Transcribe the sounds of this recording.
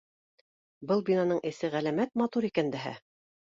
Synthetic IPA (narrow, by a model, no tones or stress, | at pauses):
bɤlˠbʲinɑnɤɴʔɘ̆sɘʁælæmæt̪̚mɑt̪uɾikænd̪æɦæ̰